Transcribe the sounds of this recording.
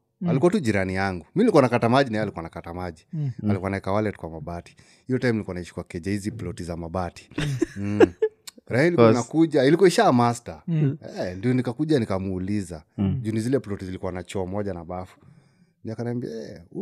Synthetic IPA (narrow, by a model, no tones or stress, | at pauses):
alikuatuʄiɾanijaŋɡuminilikwanakatamaʄinaɛalikuanakatamaʄialikuanaɛkawalɛtkwamaɓati̥ | ijɔtaɛmnilikwanaiʃi̥kwakɛʄahizipilɔtizamaɓati̥ | ɾaiiliknakuʄailikwɔiʃamastaɛndijɔnikakuʄanikamuulizaʄunizilɛplɔtizilikuwanat͡ʃɔːmɔʄanaɓafu̥ | niakanaambiɛ